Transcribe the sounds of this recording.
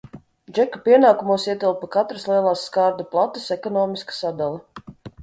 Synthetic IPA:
d͡ʒɛkapʲiɛnaːkumuɔsiɛt̪ilˠpakat̪ɾasliɛlˠaːsːkaːɾd̪aplˠat̪ːɐsɛkɔnɔːmiskḁsad̪alʲˠɛ

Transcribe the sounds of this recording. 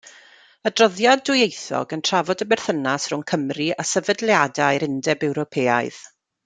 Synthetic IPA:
ədrɔðjadʊjejθɔ̰ɡəntʰr̥avɔdəbɛrθənasrʊŋkʰəmriasəvədlˠjadajɾɪndɛbɛwɾɔpʰeːaɨð̥

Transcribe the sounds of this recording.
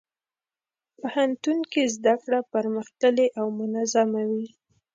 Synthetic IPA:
pəhant̪unkezd̪akɽapaɾməxt̪əleʔawmʊnazamawi

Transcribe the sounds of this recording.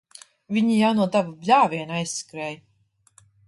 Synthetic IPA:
vʲiɲijawnuɔd̪avublʲaːvʲiɛnajskɾɛːj

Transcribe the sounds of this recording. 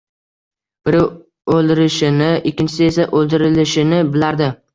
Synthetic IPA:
b̥ɪɾ | olˠd̪ɪɾɪʃɪnɪɪkʲʰːɪnt͡ʃʰɪsɪesaʔolˠd̪ɪɾɪlɪʃɪnɪbɪlaɾd̪ɪ

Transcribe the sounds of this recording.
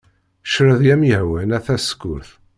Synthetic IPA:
ʃɾəðjæmjəhwənæθæskʊɾθ

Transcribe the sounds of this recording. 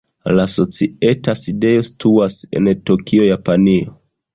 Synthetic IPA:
laso̞t͡sie̞taside̞jo̞si̥tʰuase̞̰ntokʰio̞japanio̰

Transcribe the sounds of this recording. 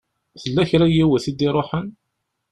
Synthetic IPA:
θəlːæçɾæjiwæθid̪iɾˤoħən

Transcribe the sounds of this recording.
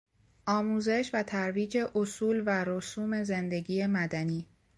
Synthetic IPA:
ʔɒːmuːze̞ʃvæt̪ʰæɾviːd͡ʒe̞ʔosuːlvæɾosuːme̞ze̞nd̪e̞ɡiːje̞mæd̪æniː

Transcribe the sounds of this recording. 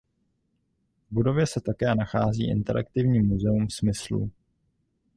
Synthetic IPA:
vbudo̞vjɛsɛt̪akɛːnaxaːzḭːʔɪ̰nt̪ɛɾa̰kt̪ɪvɲiːmːuzɛumsmɪslṵ

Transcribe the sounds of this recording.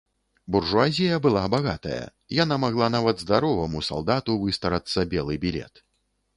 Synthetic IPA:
burʐuazʲijɐbɨlˠabaɣat̪ɐ̰jɐ̰ | janamaɣlˠanavɐd̪zd̪aɾɔvɐmusa̰lˠd̪at̪uvɨst̪ɐɾat̪sːɐbʲɛlˠɨbʲilʲɛ̰t̪

